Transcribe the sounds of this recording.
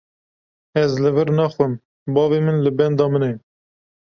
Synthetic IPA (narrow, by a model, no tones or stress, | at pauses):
ɛzlɨvɨɾnæxʷəm | bɑːveːmənlɨbɛnd̪ɑːməne